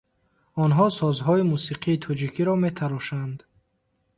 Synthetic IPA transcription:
ɔnɦɔsɔzɦɔimusiqʰiːt̪ʰɔd͡ʒikʰiɾɔme̞t̪ʰaɾɔʃand̪

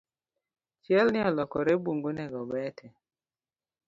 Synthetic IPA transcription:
t͡ʃjɛlnɪɔlɔkɔɾɛbuŋɡonɛɡɔbɛtʰɛ

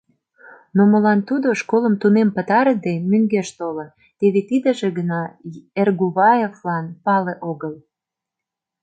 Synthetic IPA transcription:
noməlɑnt̪ud̪oʃkoləmt̪unempət̪ɑɾəd̪emyŋɡeʃt̪olo | t̪eβet̪id̪ə̆ʒeɣənɑerɣuβɑjeflɑnpɑleʔoɣəl

